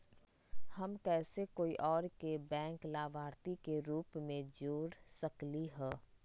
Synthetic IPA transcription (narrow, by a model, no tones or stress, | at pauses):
hɐmkɛːsekoːiʔɔːɾkebɛ̃ːŋklaːbʱaːɾt̪ikeɾuːpmẽd͡ʒoːɾsɐkliɦɛː